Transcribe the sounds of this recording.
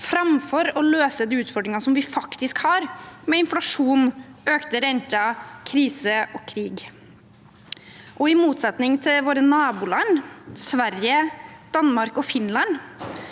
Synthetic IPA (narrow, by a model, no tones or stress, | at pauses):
fɾɑmfɔɾɔløːsəd̪iːʉːt̪fɔɖɾɪŋɑsɔmʋɪfɑkt̪ɪskhɑɾmɛɪnflɑʂuːnøːkt̪əɾɛnt̪ɑkʰɾiːsəɔkʰɾiːɡ | ʔɔɪmuːt̪sɑt̪nɪŋt̪ʰɪlʋoːɾənɑːbuːlɑnːsʋæɾjəd̪̥ɑnmɑɾkɔfɪnlɑn